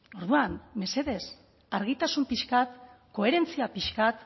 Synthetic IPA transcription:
o̞ɾðuanme̞se̞ðe̞s | aɾɣ̞it̪asumpiʃkat̪ | ko̞e̞ɾe̞nt͡siapiʃkat̪

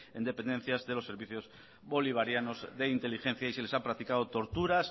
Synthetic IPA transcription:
e̞̰nd̪e̞pe̞nd̪e̞n̟θjazðe̞lo̞sːe̞ɾβiθjo̞z | βo̞liβ̞aɾjano̞zðe̞int̪e̞lixẽ̞n̟θjaise̞lesapɾak̚t̪ikað̞ot̪o̞ɾt̪uɾas

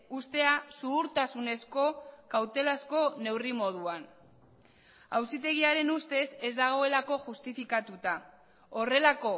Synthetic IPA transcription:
ust̪e̞asuɣuɾt̪asune̞sko̞kawt̪e̞lasko̞ne̞wrimo̞ð̞uan | awsit̪e̞ɣ̞iaɾe̞nust̪e̞se̞zd̪aɣ̞o̞e̞lako̞ʝust̪ifikat̪ut̪a | ore̞lako̞

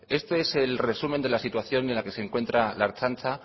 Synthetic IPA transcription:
est̪oe̞se̞lre̞sumend̪e̞lasit̪waθjo̞nienlake̞se̞ŋkwe̞nt̪ɾalaɾt͡ʃant͡ʃa

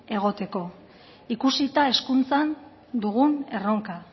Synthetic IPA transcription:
e̞ɣ̞o̞t̪e̞ko̞ | ikusit̪ae̞skunt͡san | d̪uɣ̞une̞ro̞ŋka

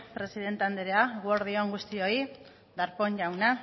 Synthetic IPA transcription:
pɾesiðe̞nt̪eand̪eɾeaɣwoɾðioŋɡust̪io̞i | d̪aɾpo̞ɲʝawna

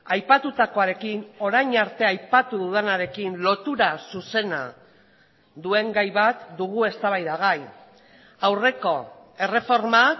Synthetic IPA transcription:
ajpat̪ut̪ako̞aɾe̞kino̞ɾajɲaɾt̪e̞ajpat̪uðuðenaɾe̞kinlo̞t̪uɾasuse̞na̰ | d̪ue̞ŋɡajβat̪d̪uɣ̞ue̞st̪aβ̞ajðaɣ̞aj | awre̞ko̞ | e̞re̞fo̞ɾma

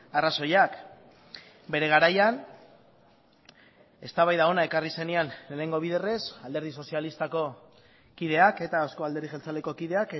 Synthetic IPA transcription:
araso̞jak | be̞ɾe̞ɣaɾajan | e̞st̪aβajðao̞nae̞karise̞nianene̞ŋɡo̞β̞iðe̞re̞sald̪e̞ɾð̞iso̞sialist̪ako̞ | kið̞e̞ake̞t̪aoskoald̪e̞ɾðiʝelt͡sale̞ko̞kiðe̞ak

